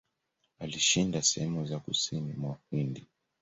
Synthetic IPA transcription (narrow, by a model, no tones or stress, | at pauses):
aliʃindasɛhɛmuzakusinimwahindi